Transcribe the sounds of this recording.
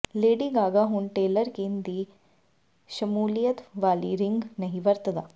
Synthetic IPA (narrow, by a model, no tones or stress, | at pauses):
leːɽiːɡaːɡaːɦuɳʈeːləɾkind̪i | ʃɐmuːlijət̪ʋaːlḭɾɪŋɡnɐɦiʋɐɾt̪ɐd̪aː